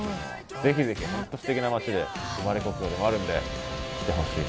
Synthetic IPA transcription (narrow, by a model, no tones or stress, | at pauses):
d͡ze̞çʲize̞çihãnt̪o̞ɕi̥t̪e̞kʲinamat͡ɕid̪e̞ɯmaɾe̞ko̞kɯ̟jo̞ːd̪e̞mo̞aɾɯ̟̃nd̪e̞̰i̥t̪ːe̞ɦo̞ɕiː